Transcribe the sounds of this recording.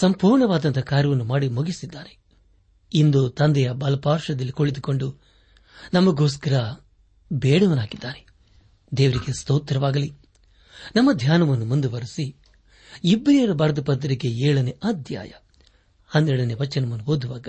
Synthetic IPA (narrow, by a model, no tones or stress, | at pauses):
sɐmpuːɾɳɐʋaːd̪ɐnt̪ɐkaːɾjɐʋɐnːumaːɽimuɡisid̪ːaːɾe | ind̪ut̪ɐnd̪ɛjɐbɐlɐpaːɾʂɐd̪ɐlːikoɭid̪uko̞ɳɖu | nɐmːɐɡoːs̬kɐɾɐ | beːɽɐʋɐnaːɡid̪ːaːɾe | d̪eːʋɐɾiɡe̞st̪oːt̪ɾɐʋaːɡɐli | nɐmːɐd̪ʱjaːnɐʋɐnːumund̪uʋɐɾisi | ibɾijɐɾɐbɐɾɐd̪ɐpɐd̪ɐɾiɡe̞eːɭɐneɐd̪ʱja̰ːjɐ̰ | ɐnːɛɭɐneʋɐt͡ʃt͡ʃːɐnɐmɐnːuɦoːd̪uʋaːɡɐ